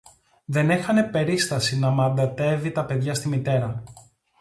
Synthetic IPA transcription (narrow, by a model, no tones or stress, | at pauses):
ðe̞nexɐne̞pe̞ɾist̪ɐsinɐmɐnd̪ɐt̪e̞vit̪ɐpe̞ðʝɐst̪imit̪e̞ɾɐ